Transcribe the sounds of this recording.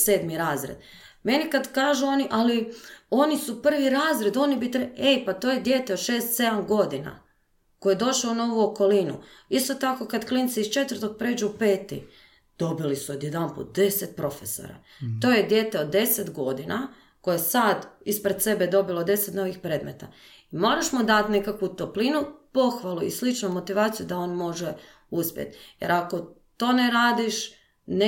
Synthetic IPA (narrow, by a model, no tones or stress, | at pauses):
se̞ːd̪miɾaːzɾḛd̪ | me̞nikad̪kaːʒuo̞niʔalio̞nisupr̩ʋiɾaːzɾe̞d̪o̞nibit̪ɾeejpat̪ojed̪je̞ːt̪e̞o̥ʃe̞ːst̪se̞d̪amɡo̞d̪ina̰ | kojed̪o̞ʃaunoːʋuoko̞linṵist̪o̞t̪ako̞kad̪klint̪siist͡ʃe̞t̪vərt̪o̞k̚pɾeːd͡ʒuupe̞ːt̪ḭ | d̪̥o̞bilisued̪jed̪anpṵt̪̚d̪e̞set̪̚pɾo̞feso̰ɾa̰ | t̪o̞ːjed̪je̞t̪eod̪dːe̞set̪ɡo̞d̪ina | ko̞jesad̪ispɾed̪se̞bed̪o̞bilod̪e̞set̪no̞ʋixpɾe̞ːd̪me̞t̪a̰ | imo̞ɾaʃmod̪at̪ne̞kakʋut̪o̞plinupo̞xʋaluḭslit͡ʃnumo̞t̪iʋaːt̪sijud̪ao̞nmo̞ʒe | uspjḛt̪je̞̰ɾako̞ | t̪o̞ːneɾaːd̪iʃ | n